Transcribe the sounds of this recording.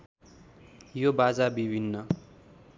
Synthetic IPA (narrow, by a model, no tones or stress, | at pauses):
jobad͡zabibʱinːʌ